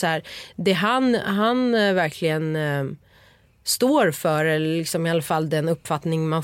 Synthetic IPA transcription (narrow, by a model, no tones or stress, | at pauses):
shæːɾd̪ɛɦanɦanvæɾkʰlɪɡən | st̪oːɾfœɾɛlɪksɔmɪalːafalːd̪ɛnɵpːfat̪nɪŋman